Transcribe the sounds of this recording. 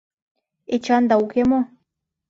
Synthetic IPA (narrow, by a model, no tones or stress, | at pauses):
et͡ʃɑnd̪aukemo